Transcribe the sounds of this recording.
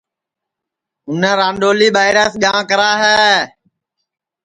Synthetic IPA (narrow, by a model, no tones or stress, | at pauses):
ʊnə̃ːɾãːnɖoːliːɓaːɪɾəːsɠãːkəɾaːɦɛː